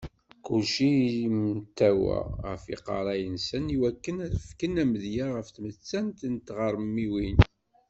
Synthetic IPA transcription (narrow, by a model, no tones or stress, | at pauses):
kulʃimt̪ːæwæ̰ʁəfḭqɑ̰ɾˤɑjənsəniwækːənæθəfkənæməðjaʁəfθmət͡sːænt̪ənt̪ʁəɾˤmːiwin